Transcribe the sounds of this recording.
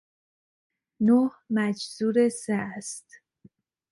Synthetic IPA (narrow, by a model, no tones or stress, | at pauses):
nohmæd͡ʒz̥uːɾe̞seæst̪